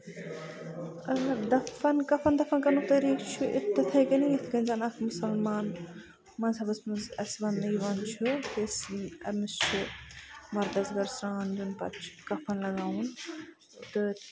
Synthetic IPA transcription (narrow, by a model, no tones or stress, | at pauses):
ɐd̪ɐfɐnkɐfɐnd̪ɐfɐnkɐnut̪ɐɾiːkt͡ʃʰuʔɪ̰t̪ːɨt̪ʰɐjkɐnijit̪ʰɡɐnzɐnɐk̪ʰmʊsɐlmaːn | mɐnzɐbɐsmɐzɐ̰sʋɐnɐiʋɐnt͡ʃʰut̪isɐmist͡ʃʰu | mɐɾd̪ɐzɡɐɾsɾaːnd͡ʒunpɐ̰t̪̚t͡ʃʰu̥kɐfʰɐnlɐɡaːwun | t̪ɨ